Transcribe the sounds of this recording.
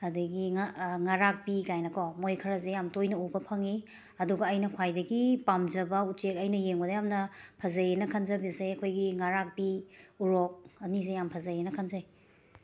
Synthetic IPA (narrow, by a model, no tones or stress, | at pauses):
ɐdɐɡiŋaŋaɾak̚bikajnɐkʰɔmojkʰɐɾɐzejamtojnɐubɐpʰɐŋi | ɐduɡɐːjnɐkʰwajdɐɡipamd͡ʒɐbɐut͡ʃekɐjnɐjeŋbɐdɐjamnɐpʰɐzɐjenɐkʰɐnzɐbiseɐkʰojɡiŋaɾak̚biuɾɔk̚ɐnizejampʰɐzajenɐkʰɐnzaj